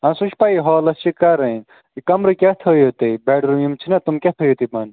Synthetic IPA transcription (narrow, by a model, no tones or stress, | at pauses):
ɐ̃suʃʰpɐiɦɔːlɐst͡ʃʰikɐɾɐ̃ | ikɐmɾikʲɐt̪ʰoːjot̪ɐbeːɖɾujumt͡ʃʰinɐt̪umkʲɐt̪ʰoːjot̪imɐn